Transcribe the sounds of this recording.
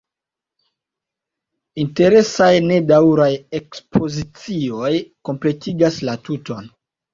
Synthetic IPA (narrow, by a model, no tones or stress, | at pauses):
inte̞ɾe̞sajne̞dawɾajekspʰo̞zit͡sio̞jko̞mple̞tiɡaslatuto̞n